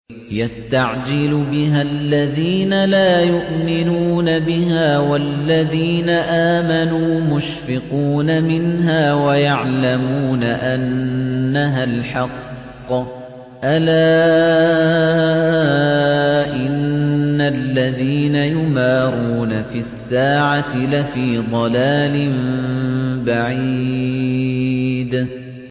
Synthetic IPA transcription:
jast̪aʕd͡ʒɪlbɪɦalːaðiːnalaːjʊʔmɪnuːnabɪhaːwalːaðiːnaʔaːmanuːmʊʃfɪquːnamɪnɦaːwajaʕlamuːnaʔanːaɦalħɑqː | ʔalaː | ʔɪnːalːaðiːnajʊmaːɾˤuːnafisːaːʕat̪lafiːd̪ˤɑlaːlɪm | baʕiiː | d̪

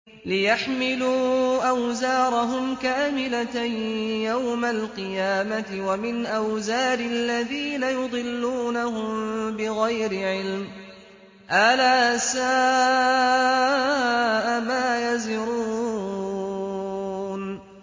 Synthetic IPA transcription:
lɪjaħmɪluːʔawzaːɾˤɑɦʊmkaːmɪlat̪ajawmalqɨjaːmat̪ɪwamɪnʔawzaːɾɪlːaðiːnajʊd̪ˤɨlːuːnahʊmbɪɣajɾɪʕɪlm | ʔalaːsaː | ʔamaːjazɪɾu | n

